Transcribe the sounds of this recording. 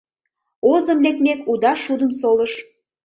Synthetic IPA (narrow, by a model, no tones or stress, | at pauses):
ozə̆mlek̚mekud̪ɑʃud̪əmsoləʃ